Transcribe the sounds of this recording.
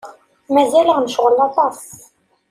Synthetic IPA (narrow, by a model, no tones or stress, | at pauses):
mæzæləʁnəʃʁəlɑt̪ˤɑs